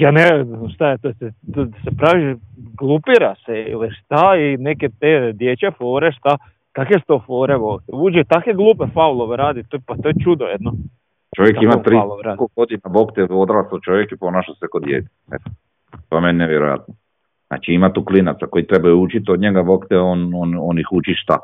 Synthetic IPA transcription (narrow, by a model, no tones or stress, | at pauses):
jaːneeʃt̪ajet̪oset̪od̪asepɾaʋiɡlˠupiɾaseḭliʃt̪aineket̪ed̪jet͡ɕefo̞ːɾeʃt̪a | kakʋesu̥t̪ofo̞ːɾeʋo̞kt̪euːd͡ʑet̪akʋeɡlˠuːpefaulˠoʋeɾaːd̪it̪opat̪ojet͡ʃud̪ojed̪no | t͡ʃoʋjek̪imat̪ɾiloɾaːd̪koɡod̪inabokt̪eod̪ɾaslot͡ʃo̞ʋjekipo̞naʃasekod̪jḛt̪i̥ | et̪ | t̪omenʲneʋjeɾo̰ja̰t̪̚no | zna̰t͡ʃiimat̪uːklinat̪sako̞jit̪ɾebajuut͡ʃit̪od̪ɲeɡabo̞kt̪eonononixut͡ʃiʃt̪a̰